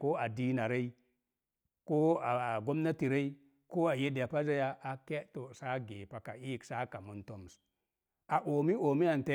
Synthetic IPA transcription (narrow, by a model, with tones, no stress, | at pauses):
ko˦a˨di˦na˨ɾe˦i˦ | ko˦a˨ɡo˦mna˦ti˨ɾe˦i˦ | ko˦a˨je˦da˨pa˦za˦ja˦a˨ke˦to˨sa˦ɡe˨pa˨ka˨i˦˨ksa˦ka˨mu˨nto˦m˨s | a˨ʔo˨mi˦o˨mi˦a˨n˨te˦